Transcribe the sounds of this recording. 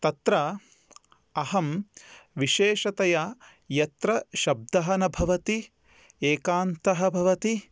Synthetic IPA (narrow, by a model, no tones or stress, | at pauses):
t̪ɐt̪ɾɐ | ɐɦɐmʋiʃeːʃɐt̪ɐjɐ | jɐt̪ɾɐʃɐb̚d̪ɐɦɐnɐbʱɐʋɐt̪i | eːkaːnt̪ɐɦɐbʱɐʋɐt̪i